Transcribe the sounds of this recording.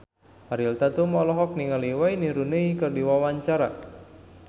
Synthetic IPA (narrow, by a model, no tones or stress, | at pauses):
aɾilt̪at̪umɔlɔɦɔk̚niŋaliwainiɾuneikɨrdiwawaɲt͡ʃaɾa̰